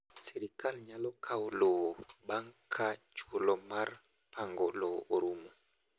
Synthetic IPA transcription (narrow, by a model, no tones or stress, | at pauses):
siɾikalɲalɔkʰawlɔɓaŋkʰat͡ʃuɔlɔmaɾ | paŋɡɔlɔoɾumɔ